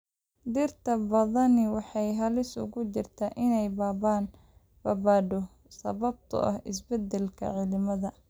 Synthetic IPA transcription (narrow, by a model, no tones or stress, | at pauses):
d̪ɪrt̪ʰɐbɐðɐnɪwɑħɑjɦɐlɪsʊ̰ɣʊt͡ʃɪrt̪ʰaːʔɪnɛjbaːbaːn | bɐbaːɖɔ | sɐ̰βɐb̚t̪ʰʊ̰ʔɐ̰hɪsbɛd̪ɛlkʰɐ̰ʕɪlɪmɐðɐ